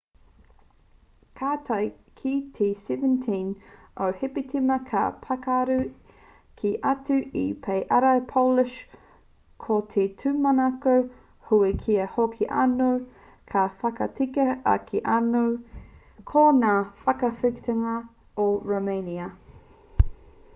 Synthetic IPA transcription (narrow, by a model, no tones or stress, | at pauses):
kʰaːt̪ʰɐj | kʰitʰesɛvə̃ntʰĩn | ʔohipitʰimɐkʰa̰pʰɐkaɾu | kʰiʔɐtʉḭpʰejʔɐɾɐpʰolɪʃ | kʰotʰetʰʉmɐnɐko | huikʰiɐhokʰiʔa̰now | kʰafɐkɐtikɐɐ̰kʰiʔanow | kʰonaːfɐkɐfikt̪eŋɐ | oɹomeniɐ